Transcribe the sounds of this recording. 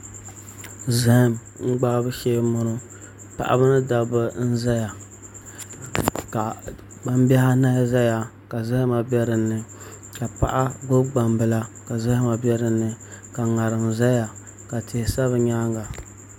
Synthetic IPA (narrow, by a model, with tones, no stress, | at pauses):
zɪ˦hɪ˦m | ŋ̩˦ɡ͡ba˦bɨ˦ʃeː˦mʊ˨nʊ˦ | pa̰˨ʔa̰˨bɨ˦nɨ˦da˨bɨ˦n̩˦za˦ja˨ | ka˨ | ɡ͡ba˦mbɛ˦ha˦na˦za˦ja˨ | ka˨za˦hɪ˦ma˨bʲɛ˦ɾɨ˨nːɨ˨ | ka˨pa̰˨ʔa˦ɡʊ˦ɡ͡ba˨mbɨ˨la˦ka˨za˦hɪ˦ma˨bɛ˦ɾɨ˨nːɨ˨ka˨ŋa˨ɾɨ˨mza˦ja˨ | ka˨te˨hsa˦βɨ˨ɲaː˦ŋɡa˨